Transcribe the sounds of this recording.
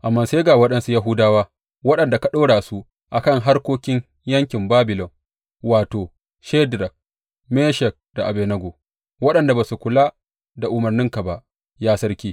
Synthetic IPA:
ʔa˨mːaː˦˨se˦ɡaː˨wɐ˦ɗɐ˦nsu˦ja˦ɦʊ˦daː˦waː˦ | wɐ˦ɗɐ˨nda˨ka˨ɗoː˦ɽaː˨su˦ | ʔa˨kɐ˦˨ŋɦa˦rkʷoː˦kʲɪ˦ɲ | jɐ˦ŋkʲɪ˨mbaː˦bɪ˨lɔ˨ŋ | waː˨toː˨ | ʃɛ˦dɾɐ˨k̚ | me˦ʃɛ˨k̚d̥a˨ʔa˨beː˨nɐ˦ɡʷoː˨ | wɐ˦ɗɐ˨nda˨baː˨su˨kʷʊ˨laː˦ | da˨ʔʊ˨mɐ˨rnɪ˦ŋka˨ba˦ʔ | jaː˦sɐ˦rkʲiː˦

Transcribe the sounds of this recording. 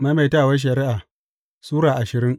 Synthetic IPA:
ma˦jma˨taː˦˨wɐ˦ʃ̬ɐ˨ɾɪ˦ʔa˨ | suː˦ɽaː˨ʔa˨ʃɪ˨ɾɪ˦ŋ

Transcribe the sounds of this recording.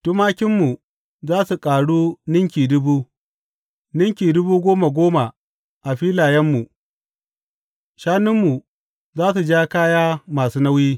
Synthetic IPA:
tʊ˦maː˦kʲɪ˦mːu˨ | zaː˦su˨kʼaː˨ɽuː˦nɪ˦ŋkʲiː˨dʊ˦buː˦ | nɪ˦ŋkʲiː˨dʊ˦buː˦ɡʷoː˦ma˨ɡʷoː˦ma˨ | ʔa˨ɸiː˦laː˨jɐ˦mːu˨ | ʃaː˦nɪ˦mːu˨ | zaː˦su˨d͡ʒaː˦kaː˦jaː˦maː˨suː˦na˦wjiː˦

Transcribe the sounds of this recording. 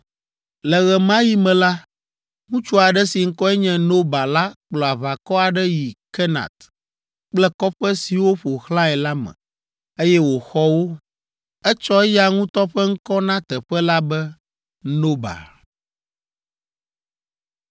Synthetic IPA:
lɛ˨ɣɛ˨mã˦ji˦mɛ̃˨la˦ | ŋũ˦t͡ʃu˦a˨ɖɛ˦si˨ŋ̩˦kɔ˦ɛ˦ɲɛ̃˦no˦ba˨la˦k͡plɔ˨a˨va˨kɔ˦a˨ɖɛ˦ji˨kɛ˦nã̰˨t̪ | k͡plɛ˦kɔ˦ɸɛ˦si˨wo˦ɸo˨xlã˦ɛ˨la˦mɛ̰̃˨ | e˦jɛ˦wo˨xɔ˦wo˦ | ɛ˦t͡ʃɔ˦ɛ˦ja˨ŋũ˦t̪ɔ˦ɸɛ˦ŋ̩˦kɔ˦nã˦t̪ɛ˨ɸɛ˦la˦bɛ˦ | no˦ba̰˨

